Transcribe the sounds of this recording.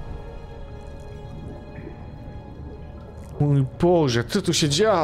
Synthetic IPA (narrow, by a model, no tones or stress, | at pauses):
mujbɔʐɛt̪sɔt̪uɕɛd͡ʑa